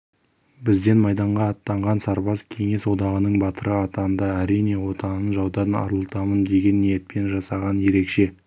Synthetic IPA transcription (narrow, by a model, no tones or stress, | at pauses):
bɪzd̪e̞nmɑjd̪ɑɴʁɑːt̪ːɑɴʁɑnsɑɾbɑzkʲʰe̞ŋe̞swo̞d̪ɑʁənəɴbɑt̪ʰəɾəɑt̪ɑnd̪ɑæɾijne̞wo̞t̪ʰɑnənʒɑwd̪ɑɾnɑ̰ɾəlˠət̪ɑmənd̪e̞ɡʲe̞nːijet̪̚pʰe̞nʒɑsɑʁɑnje̞ɾe̞kʃe̞